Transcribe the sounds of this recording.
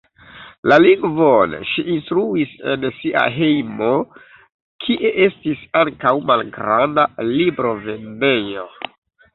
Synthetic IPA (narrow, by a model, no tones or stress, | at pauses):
laliŋɡvonʃiʔinstɾuise̞̰nsiʔa̰ɦe̞jmo | kʰiʔe̞ʔe̞stisaŋkawmalɡɾandalibɾo̞ve̞ne̞jo̞